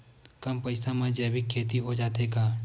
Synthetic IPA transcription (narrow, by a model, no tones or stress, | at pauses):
kɐmpəɪsãmãd͡ʒɛːbɪkʰːeːt̪̬iɦod͡ʒaːt̪eːkaː